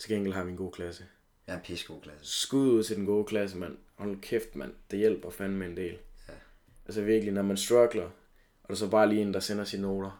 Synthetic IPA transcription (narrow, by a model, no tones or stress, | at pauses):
t͡sʰe̝ɡeŋɡ̥l̩hɑ̈ʋinɡo̝̰ːkʰlæsə | isɡ̥osɡ̥uð̰ˠuð̰ˠt͡sʰe̝d̥enɡ̥o̝ːkʰlæs̬əmæn̰ | hɒlkʰefd̥mæn̰d̥ejel̰b̥ɐfænmeend̥e̝̰ːl | ʔælsəʋiɐɡ̥əlinɒmænsd̥ʁɑɡ̥lɐ | ʔɒ̽ɾ̥esɒ̽b̥ɑ̈ːliːe̝ːn̩d̥ɑ̈senɐsinno̝ːɾ̥ɐ